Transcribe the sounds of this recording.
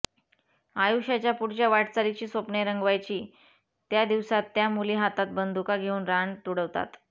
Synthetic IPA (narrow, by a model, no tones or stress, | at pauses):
ajuɕat͡ɕjapuɽt͡ɕjaʋaʈt͡saɾit͡ɕiːsopɳeɾəŋɡʋajt͡ɕiː | t̪jad̪iʋsat̪ːjamuliɦat̪at̪̚bənd̪ukaɡʱeuːnɾaɳt̪uɽəʋt̪a̰t̪